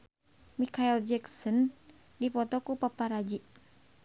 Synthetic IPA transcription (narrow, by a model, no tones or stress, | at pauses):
mikaild͡ʒɛksɔn | dipɔt̪ɔkupapaɾad͡ʒiʔ